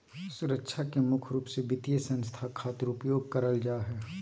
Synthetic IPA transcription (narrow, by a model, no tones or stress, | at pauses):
sʊɾəkʃʰakemʊkʰɾuːpsebɪt̪jesɐ̃nst̪ʰakʰaːt̪ɪɾʊpjoːɡ̚kɐɾəld͡ʒaːɦɛː